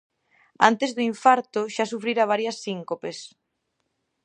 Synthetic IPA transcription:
a̰nt̪ezðʊiɱfaɾt̪ʊʃasufɾiɾaβ̞aɾjɐsiŋkopes

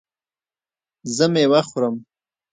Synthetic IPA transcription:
zəmewaχʊɾəm

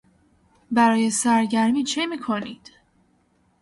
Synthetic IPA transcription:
bæɾɒːje̞sæɾɟæɾmiːt͡ʃʰemiːkʰoniːd̪̥

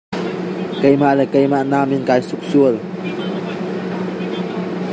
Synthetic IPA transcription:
kəjmaʔlɛːkəjmaʔnaːminkaːjsuk̚suəl

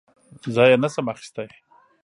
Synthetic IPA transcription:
zɑjanasamaxi̥st̪aj

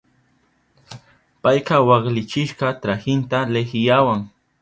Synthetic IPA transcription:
pajqɑwɑχlɪt͡ʃɪʃqɑt̪ɾaxɪnt̪alexɪjawaŋ

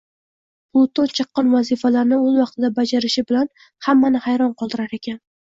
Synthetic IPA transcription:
pʰlˠʊt̪ont͡ʃʰɨqːɑnvazɪfalaɾnɪolˠwɑqt̪ʰɪd̪abad͡ʒaɾɪʃɪbɪlan | hamːanɪhajɾɒnqʰɒlˠd̪ɪɾaɾe̞kʲʰan

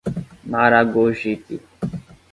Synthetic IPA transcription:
maɾaɡoːʒit̪ḭ

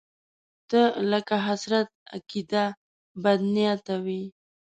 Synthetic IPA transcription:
d̪̥ələkaɦasɾat̪̚a̰kid̪a | bad̪nijat̪awi

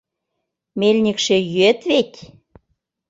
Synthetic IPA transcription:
melʲnʲikʃĕjyet̪βetʲ

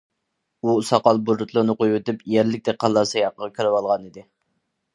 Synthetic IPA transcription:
usɑqɑlˠbuɾut̪ʰlˠʊɾnɨqojwet̪ɪpjæɾlɪk̚ʲt̪ɛqʰɑlˠːɑsɑjɑqəʁɑkʲʰyɾɪwɑlˠʁɑnid̪ɪ

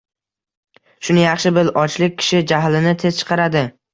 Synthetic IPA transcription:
ʃʊnɪjɑχʃɪbɪlɒt͡ʃlɪk̚ʲːʰɪ̥ʃɪd͡ʒaɦlɪnɪt̪ʰe̞zt͡ʃʰɨ̥qʰɑɾad̪ɪ

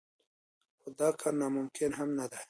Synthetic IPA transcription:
xod̪ɑːkʰɑɾnamʊmkʰɪnɦamnad̪a

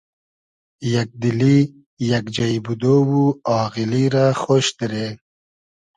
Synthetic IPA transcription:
jak̚d̪ili | jakd͡ʒajbud̪owuɑːɣiliɾaxoːʃd̪ɪɾe

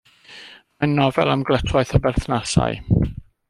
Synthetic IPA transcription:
majnːɔvɛ̰lˠamɡlˠətʰwaɨθəbɛrθnasa̰j

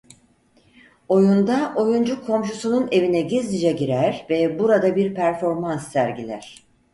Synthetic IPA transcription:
o̞jund̪aʔo̞jund͡ʒukʰːo̞mʃ̬usunune̞vinɛɟizd̪id͡ʒɛɟiɾæɾvɛbuɾad̪abiɾpʰæɾfo̞ɾmansːæɾɟilʲæ̰ɾ̥

